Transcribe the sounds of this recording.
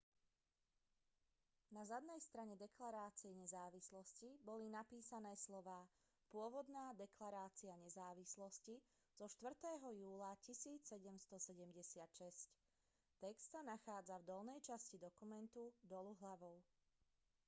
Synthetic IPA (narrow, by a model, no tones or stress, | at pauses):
nazad̪nɛjst̪ɾaɲɛd̪ɛklaɾaːt͡siɛɲɛzaːʋislɔscibɔlinapiːsanɛːslɔʋaː | pʊɔʋɔd̪naːd̪ɛklaɾaːt͡siaɲɛzaːʋislɔsci | z̥ɔʃt̪ʋr̩t̪ɛːɦɔjuːlacisiːt͡ssɛɟɛmst̪ɔsɛɟɛmɟɛsɪat̪ʃɛsc | t̪ɛkst̪sanaxaːd͡zavd̪ɔlnɛjt͡ʃascid̪ɔkumɛnt̪ud̪ɔluɦlaʋɔʊ